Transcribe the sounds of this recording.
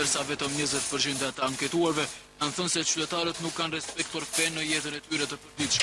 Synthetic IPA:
əɾsavɛt̪ɔmɲəzɛt̪pəɾt͡ʃindt̪at̪əaŋkɛt̪uaɾvɛkanθɔnsɛt͡ʃyt̪ɛt̪aɾət̪nukːanrɛspɛk̚t̪uaɾkvɛnːəjɛt̪ənɛt̪yɾɛt̪əpəɾd̪iʃɛ

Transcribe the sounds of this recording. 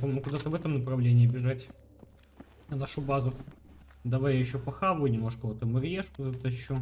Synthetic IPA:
pomʲɪmʊkʊd̪at̪əvɛt̪əmnəpɾɐvlʲenʲɪːbʲɪʐatʲ | naʂʊbazʊ | d̪ɐvajjɪɕːopɐxavʊinʲɪmnoʂkəvot̪əmɐɾʲjeʂkʊd̪at̪əɪɕːo

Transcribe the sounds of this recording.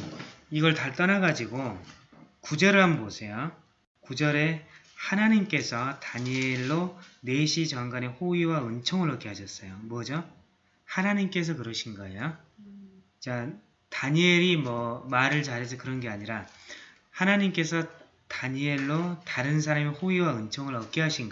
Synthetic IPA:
iɡʌɭtaɭt͈ʌnaɡad͡ʑiɡo | kud͡ʑʌɾɯɭɦambosʰe̞jo | kud͡ʑʌɾe̞ | hanaɲimk͈e̞sʰʌtaɲeɭːone̞ɕʰit͡ɕʌŋɡane̞hoiwaɯnt͡ɕʰʌŋɯɾʌk͈eɦaɕʰʌs͈ʌjomwʌd͡ʑo | hanaɲimk͈e̞s̬ʰʌkɯɾʌɕʰinɡaejo | t͡ɕa | taɲeɾimwʌmaɾɯɭt͡ɕaɾɦes̬ʰʌkɯɾʌnɡeaɲiɾa | hanaɲimk͈e̞sʰʌ | taɲeɭːotaɾɯns̬ʰaɾamihoiwaɯnt͡ɕʰoŋɯɾʌk̚k͈iɦaɕʰinɡ

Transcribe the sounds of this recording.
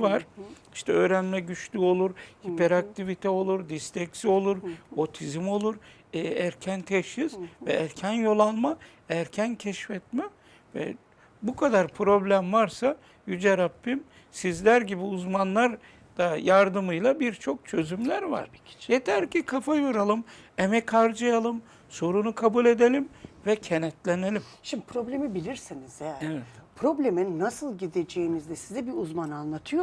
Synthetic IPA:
vaɾ̥i̥ʃt̪ʰɛø̞ːɾænmɛɟyt͡ʃlʲyo̞lˠuɾhipʰɛɾak̚t̪ʰivit̪ʰɛo̞lˠuɾd̪ist̪ʰɛksio̞lˠuɾo̞t̪ʰizimo̞lˠuɾ | ɛæɾcʰænt̪ʰɛʃiz̥vɛæɾcʰænjo̞lˠalˠma | æɾcʰæncʰɛʃfɛt̪mɛ | vɛ̰ | bukʰad̪aɾpʰɾo̞blʲæmvaɾsa | jyd͡ʒɛɾapːim | sizlʲæɾɟibiuzmanlˠaɾ | d̪̥ajaɾd̪ɯmɯjlˠabiɾt͡ʃʰo̞k̚t͡ʃʰø̞zymlʲæɾva̰ɾ̥jet̪ʰæɾcikʰafajoɾalˠɯmemɛcʰaɾd͡ʒɯjalˠɯm | so̞ɾunukʰabulʲe̞d̪e̞lʲimvɛcʰenɛt̪lʲenelʲimʃimbipʰɾo̞blʲemibilʲiɾsinizɛvɛt̪pʰɾo̞blʲeminːasɯlˠɟid̪ed͡ʒejinizd̪ɛsizɛbiuzmananlˠat̪ʰɯjo

